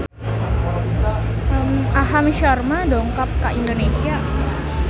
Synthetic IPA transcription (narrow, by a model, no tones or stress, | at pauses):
əmʔaɦamʃɔrmadoŋkap̚kaʔindonesia